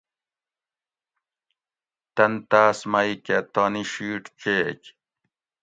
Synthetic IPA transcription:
t̪ɐnt̪aːsmaiket̪aːniɕiːʈt͡ɕḛːk

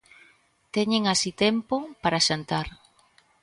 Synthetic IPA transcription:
t̪ɛɲɪŋasit̪ɛmpopaɾaʃant̪aɾ

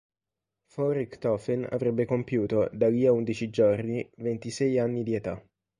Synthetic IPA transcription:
fɔɾikt̪ɔfɛna̰vɾɛbːekompjuːt̪od̪aliːaund̪it͡ʃid͡ʒornivent̪isɛjanːid̪iet̪a

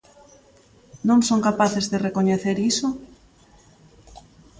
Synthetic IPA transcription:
nõŋsõŋkapaθezðerekoɲeθeɾiso

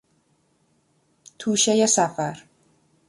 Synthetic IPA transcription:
t̪ʰuːʃejesæfæɾ

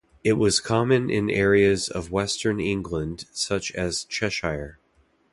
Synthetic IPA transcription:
ɪt̚wʌz̥kʰɑmɨ̃nʔɪ̰̃nʔɛɹiɨzʌ̰vwɛstʰə̃˞nɪ̃ŋɡlə̃nd̥sʌt͡ʃɨz̥t͡ʃʰɛʃaɪə˞

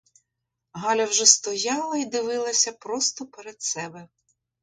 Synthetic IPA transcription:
ɦɑlʲɐwʒɛst̪ɔjɑlˠɐid̪ɪʋɪlˠɐsʲɐpɾɔst̪ɔpeɾed̪sɛbɛ

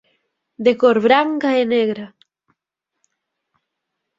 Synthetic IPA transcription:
d̪ekoɾβɾaŋkaeneɣɾa

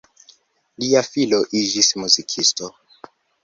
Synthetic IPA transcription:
liafiloʔid͡ʒismuzikʰisto

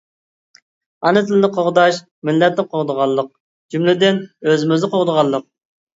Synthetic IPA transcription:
ɑnɨt̪ʰɪlɪnɪqʰoʁd̪ɑʃ | mɪlːɛt̪nɪqʰoʁd̪əʁɑlˠːəq̚ | d͡ʒymlɪd̪ɪnøzɪmɪznɨqʰoʁd̪əʁɑlˠːəq̚

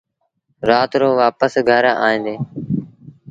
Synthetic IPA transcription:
ɾaːt̪ɾoːʋaːpəsɡʱəɾa̰ːĩːnd̪eː

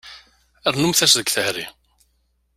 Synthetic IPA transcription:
ɛɾnumθɛsðəkθɛhɾɪ

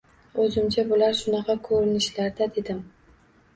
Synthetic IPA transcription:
ɵzɪmt͡ʃʰabʊlaɾʃʊnɑqʰɑkʰɵɾɪnɪʃlaɾd̪ad̪e̞d̪ɪm

